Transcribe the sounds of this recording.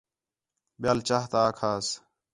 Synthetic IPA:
ɓɪjaːlt͡ʃaːɦt̪aːkʰaːs

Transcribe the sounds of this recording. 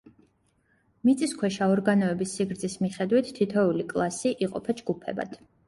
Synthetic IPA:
mit̪sʼiskʰwɛʃaɔɾɡanɔɛbisːiɡɾd̪zismiχɛd̪wit̪ʰt̪ʰːit̪ʰɛulikʼlˠasiʔiqʼɔ̰pʰad͡ʒɡupʰɛ̰ba̰d̪̥

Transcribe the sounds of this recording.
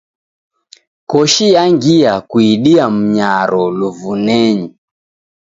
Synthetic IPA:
kɔʃijaŋɡiakwiɗiam̩ɲaɾɔluvunɛɲi

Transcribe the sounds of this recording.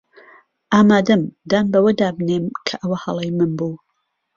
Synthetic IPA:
ʔaːmaːd̪ɐmd̪aːnbɐwɐd̪aːbneːmkʰɐʔɐwɐhɐlˠɐjmɨnbuː

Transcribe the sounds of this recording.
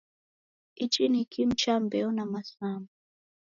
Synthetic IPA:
it͡ʃʼinikʰim̩t͡ʃambɛɔnamasamba

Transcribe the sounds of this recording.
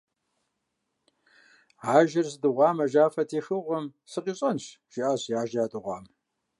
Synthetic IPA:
aːʒɪrsɨdɨʁʷɑːmɐʒaːfɐtʰiːxɨʁʷɐmsɨqiːɕʼɐnɕʒ̥iʔaːɕjaːʒjaːtʼɨʁʷɑ̰ːm

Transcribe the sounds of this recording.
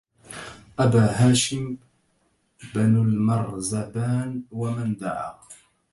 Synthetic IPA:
ʔabaːɦaːʃɪm | banalmɑɾˤzabaːnwamand̪aʕa̰

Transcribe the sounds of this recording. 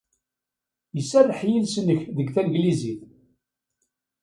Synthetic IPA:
jəsːærəħjilsənːəçðəɡθænɡliziθ

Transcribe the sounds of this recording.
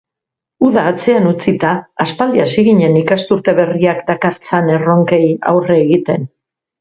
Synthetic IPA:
uðaːt͡se̞anut͡sit̪aːspald̪iasiɣiɲe̞nikast̪uɾt̪e̞βe̞riakd̪akaɾt͡sane̞ro̞ŋke̞ja̰wreːɣit̪e̞n

